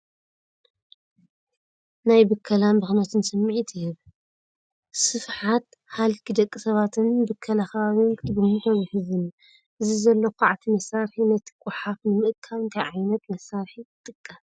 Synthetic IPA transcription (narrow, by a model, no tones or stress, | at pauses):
najbɨkʰːɐlanbɨxnɐt̪ʰɨnsɨmːiʕit̪ʰjɨβ | sɨfħat̪ | halkʰid̪ɐkʼːisɐβat̪ʰɨnbɨkʰːɐlakʰɐβaβink̪bɨmuħɐβiħɨzɨn | ʔɨzizɐlːɐkʷʰaʕt̪ʰimɐsaɾħinɐt̪ʰɨ̥kʷʼuħafnɨmɨʔkʰaβɨnt̪ʰajʕajnɐt̪mɐsːaɾħit̪ʼɨkʼːa